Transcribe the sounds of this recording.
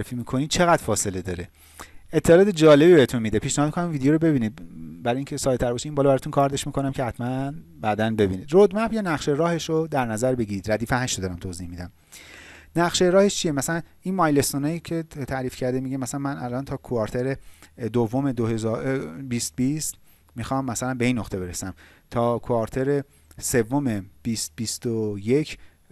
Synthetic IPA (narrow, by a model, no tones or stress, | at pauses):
ɾefiːmiːkʰo̞nid̪̥̚t͡ʃʰe̞ɣæd̪̥fɒːse̞led̪ɒːɾe | et̪ʰːelɒːd̪ed͡ʒɒːle̞bibeet̪ʰunmid̪epʰiʃnehɒːmikʰonæmvid̪ejoɾobe̞biːniːd̪̚bæɾɒːjiŋcʰesɒːjt̪ʰæɾbɒʃiimbɒːlɒbæɾɒːt̪unkʰɒːɾd̪eʃmiːkʰo̞næmcʰehæt̪ʰmæn | bæːd̪ænbe̞biniːd̪rod̪mæbjɒːnæχʃeɾɒːhe̞ʃod̪æɾnæzæɾbe̞ɟiɾiːd̪ɾæd̪iːfæɦæʃod̪ɒːɾæmt̪ʰoziːhmid̪æm | næχʃeɾɒːhe̞ʃt͡ʃʰijemæsælænʔinmɒjle̞st̪onɑjiːcʰe̞t̪ʰæɾifcʰæɾd̪emiɟemæsælænmænælʔɒːnt̪ʰɒːkʰoɒːɾt̪ʰeɾed̪ovːome̞d̪ohezbiːst̪̚bist̪ | mixɒːmːæsælænbe̞iːnːoxt̪ʰebe̞ɾesæm | t̪ʰɒːkʰoɒɾt̪ʰe̞ɾe | se̞vːo̞meb̥ist̪̚b̥ist̪oje̞cʰ